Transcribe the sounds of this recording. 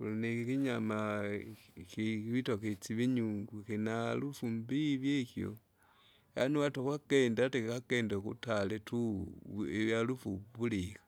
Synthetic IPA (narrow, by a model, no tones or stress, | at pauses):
kulunikikiɲama | kiiβitoket͡siβiɲuŋɡukinalufumbiβjekjo̰ | ja̰niwatokwakendatekakendekṵtaletu | eβjalufṵbulikḁ